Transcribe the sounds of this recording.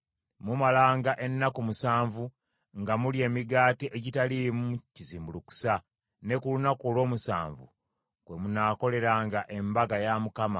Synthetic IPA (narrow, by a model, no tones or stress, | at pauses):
mumalaːŋɡaʔe̞nːakumusaːɱvu | ŋɡamulie̞ːmiɡaːtiʔeɟitalimuciziːmbuluku̥sa | ne̞kulunakolwo̞ːmusa̰ːɱvṵ | kwe̞munaːko̞le̞ɾaːŋɡaʔe̞mbaɡajamukama